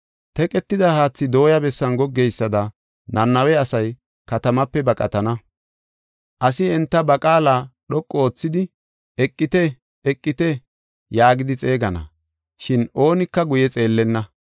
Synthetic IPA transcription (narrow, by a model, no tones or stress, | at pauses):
t̪ɛkʼɛt̪ːɪd̪ɐhaːt͡sːɪd̪o̞ːjɐbɛsːɐnɡɔɡːɛjsːɐd̪ɐ | nɐnːɐwɛɐsɐj | kɐt̪ɐmɐpːɛbɐkʼɐt̪ɐnɐ | ʔɐsɪɛnt̪ːɐbɐkʼaːlaːɗɔkʼːooːt͡sːɪd̪ɪ | ɛkʼːɪt̪ɛ | ɛkʼːɪt̪ɛ | jaːɡɪd̪ɪt͡sʼe̞ːɡɐnɐ̰ | ʃɪno̞ːnɪkːɐɡʊjɛt͡sʼe̞ːlːɛnːɐ